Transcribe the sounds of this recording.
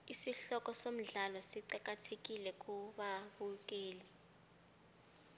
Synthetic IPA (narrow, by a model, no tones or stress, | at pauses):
isiɬɔkʼɔsom̩ɮalɔsiǀak̬ʼatʰek̬ʼilɛk̬ʼuɓaɓuk̬ʼeːli